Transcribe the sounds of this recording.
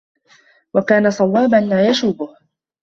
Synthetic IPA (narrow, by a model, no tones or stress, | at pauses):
wakaːnasˤɑwɑːbanlaːjaʃuːbʊh